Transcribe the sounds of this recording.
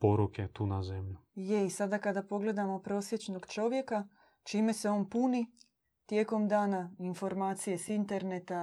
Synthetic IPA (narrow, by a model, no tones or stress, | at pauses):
poɾuket̪uːnazemʎujeisad̪akad̪apo̞ɡle̞d̪amo̞pɾo̞ːsje̞t͡ʃno̞ɡt͡ʃo̞ʋje̞ka | t͡ʃiːme̞seonpuni | t̪jeːko̞md̪aːnainfo̞ɾmaːt̪sije̞sint̪e̞ɾnet̪a